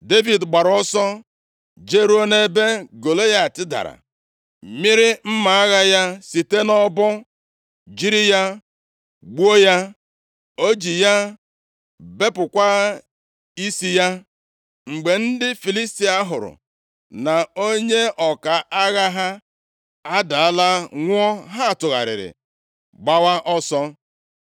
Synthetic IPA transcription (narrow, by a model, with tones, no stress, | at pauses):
de˦vi˨dɡ͡ba˨ɾɔ˦sɔ˦ | d͡ʒe˦ɾu˦o˦ne˦be˦ɡo˨lo˦ja˦a˨tɪ˦da̰˨ɾa̰˨ | mi˦ɾɪ˦m̩˦ma˨a˦ɣa˦ja˦si˨te˦nɔ˦bʊ˦ | d͡ʒi˦ɾi˦ja˦ | ɡ͡bu˦o˦ja˦ | o˦d͡ʒi˨ja˦ | be˦pʊ˨kʷa˦ | i˦si˦ja˦ | ŋ͡m̩˨ɡ͡be˨n̩˦dɪ˦fi˨li˦sti˦a˦ɦʊ˨ɾʊ̰˨ | na˨o˦ɲe˦ɔ˨ka˨ʔa˦ɣa˦ɦa˦ | a˦da˨a˦la˦ŋʷ˦ɔ˦ɦa˦˨tʊ˨ɣa̰˨ɾɪ̰˨ɾɪ̰˨ | ɡ͡ba˦wa˦ʔɔ˦sɔ˦